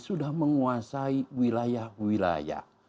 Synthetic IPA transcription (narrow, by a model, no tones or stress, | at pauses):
sudahməŋuasaiwilajahwila̰ja̰h